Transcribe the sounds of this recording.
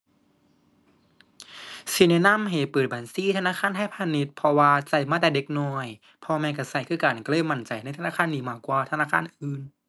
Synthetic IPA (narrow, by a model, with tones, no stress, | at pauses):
si˧˩na˧na˧˥˨mɦa˨˩jpɤː˨˩t̪̚baː˨˩nsiː˧˥˨t̪ʰnaː˧˥˨xʰaː˧˥˨nt̪a˧˥˨jpʰaː˧ni˧t̪̚pʰɔ˧waː˧t͡ɕa˧˩jmaː˧˥˩t̪ɛː˨˩de˧˦˥k̚nɔː˧˩j | pʰɔː˧mɛː˧nka˧˩sa˧˩jkʰɯː˧˥˩kaː˨˩nkɔ˧˩lɤː˧˥˨jma˧˩nt͡ɕa˨˩jna˧˩˨t̪ʰa˧naː˧˥˨aː˧˥˨nːiː˧˩maː˧˩kwaː˧˩t̪ʰa˧naː˧˥˨kʰaː˧˥˨nʔɯː˨˩n